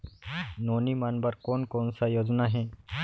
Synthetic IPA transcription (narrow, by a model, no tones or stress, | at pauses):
nonimanbaɾkonkonsajod͡znaɦe